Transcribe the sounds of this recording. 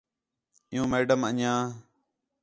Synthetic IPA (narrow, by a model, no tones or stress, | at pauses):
ɪ̃jũːmeːɖəməɲãː